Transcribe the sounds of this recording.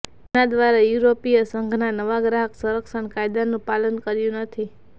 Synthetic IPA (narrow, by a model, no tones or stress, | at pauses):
ad̪ʋaɾajuɾopijəsəŋɡʱnanəʋaɡɾaɦəksuɾəkʃəɳkajd̪anũpalənkəɾjũnət̪ʰi